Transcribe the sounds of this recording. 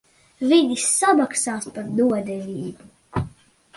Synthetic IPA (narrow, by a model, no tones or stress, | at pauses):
vid̪isːabaksaːspaɾd̪uɔd̪ɛvʲiːbu